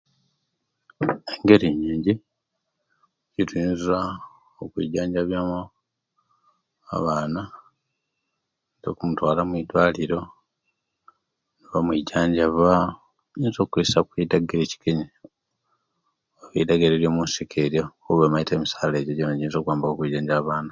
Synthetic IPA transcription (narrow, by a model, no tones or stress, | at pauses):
eŋɡe̞ɾiɲiːɲɟi | ɟitiːnza | okwḭːɟaːɲɟaβjaːmo | a̰βaːna | nzo̰kumutwaːlamwidwaːliɾo̞ | niβamwiɟaːɲɟaβa | ɲiːnzo̞kkwisakwidaɡiɾeci̥keɲi | aβidaɡeɾeɾjoːmunsikʰeɾjooβemaite̞ːmisaːleːɟoɟenoɲɟiːnzo̞ːkwaːmbaokwiɟaːɲɟaβaːna